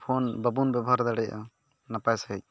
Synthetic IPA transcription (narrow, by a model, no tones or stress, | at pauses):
pʰɔnbəbunbɛbɔɦaɾd̪aɽɛɔ̰ | napajsɛc̚